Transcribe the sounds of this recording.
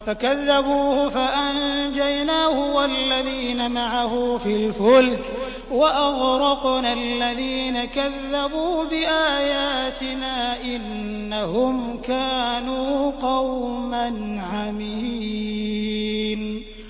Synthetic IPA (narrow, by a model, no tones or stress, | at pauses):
fakaðːabuːhʊfaʔand͡ʒajnaːhʊwalːaðiːnamaʕahʊfiːlfʊlk | waʔaɣɾɑqnalːaðiːnakaðːabuːbɪʔaːjaːt̪ɪnaːʔɪnː | ahʊmkaːnuːqɑwmanʕamiː | n